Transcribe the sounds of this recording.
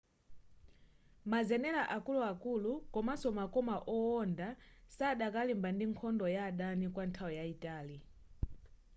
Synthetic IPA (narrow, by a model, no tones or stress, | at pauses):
mazɛnɛlaʔakuluakulukɔmasɔmakɔmaʔɔɔndasaɗakalimbandiŋkʰɔndɔjaɗanikwantʰawɔjaitaːli